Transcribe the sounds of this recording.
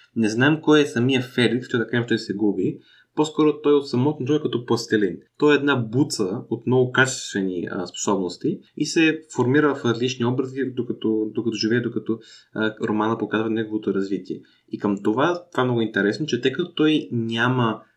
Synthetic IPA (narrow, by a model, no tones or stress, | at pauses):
nɛznaɛmkɔjɛsɐmiəfɛlik̪st̪ɔt̪ɐkaʃt̪ɔjsɛɡubi | poskɔɾot̪ɔjot̪sɐmɔt̪nt̪ɾɔkɐt̪ɔpɐst̪ɛlint̪ɔɛɛd̪nabut̪səot̪mnɔɡʊkat͡ʃɛ̥st̪vɛniəspo̥sɔbnost̪iisɛfoɾmiɾəvɐfɾɐzlit͡ʃniɔbɾɐzid̪okɐt̪ɔd̪okɐt̪ɔʒivɛɛd̪okɐt̪ɔɾomanəpokazvɐnɛɡovot̪oɾɐzvit̪iɛ | ikəmt̪ovat̪ovamnɔɡʊint̪ɛɾɛsnot͡ʃɛt̪əjkɐt̪o̥t̪ɔjnʲamə